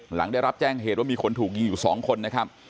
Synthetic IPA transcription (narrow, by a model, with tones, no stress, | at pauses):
la̰˩˦ŋdaː˥˩jɾa˦˥p̚t͡ɕɛː˥˩ŋɦeː˨˩t̪̚waː˥˩miː˧kʰo˧nt̪ʰuː˨˩k̚ji˧ŋjuː˨˩sɔ̰ː˩˦ŋkʰo˧nːa˦˥kʰa˦˥p̚